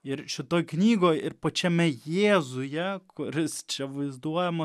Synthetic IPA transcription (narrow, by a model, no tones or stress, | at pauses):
ɪɾʃʲɪt̪oːjknʲiːɡoːjɪɾpot͡ʃʲɛmʲɛjeːzʊjɛkʊɾʲɪst͡ʃʲɛʋɐɪzd̪uɔjɛmɐ